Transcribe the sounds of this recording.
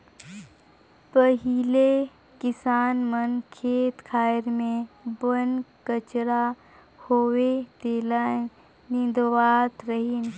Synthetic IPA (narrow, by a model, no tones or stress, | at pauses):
pəɦile | kɪsaːnmənkʰeːt̪kʰaːɾmẽbənkət͡ʃɾa | hoːwet̪eːla | nɪ̃nd̪owaːt̪ɾəɦin